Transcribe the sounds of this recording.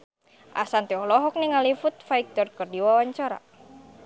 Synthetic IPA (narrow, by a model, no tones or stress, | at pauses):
ʔa̰sant̪eɔlɔɦɔk̚niŋalifʊt̪̚faik̚t̪ɔrkərdiwawaɲt͡ʃaɾa̰